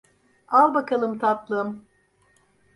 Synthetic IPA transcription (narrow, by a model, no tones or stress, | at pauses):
alˠbakʰalˠɯmt̪ʰat̪lˠɯm